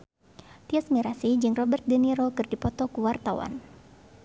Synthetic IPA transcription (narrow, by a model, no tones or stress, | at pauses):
t̪iasmiɾasid͡ʒɨŋrɔbərt̪̚dəniɾokɨrdipɔt̪ɔkuwart̪awa̰n